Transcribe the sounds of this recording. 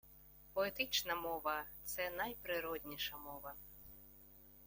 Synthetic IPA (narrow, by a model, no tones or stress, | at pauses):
pɔɛt̪ɨt͡ʂnɐmɔvɐt̪sɛnajpɾɨɾɔd̪ʲnʲiʂɐmɔvɐ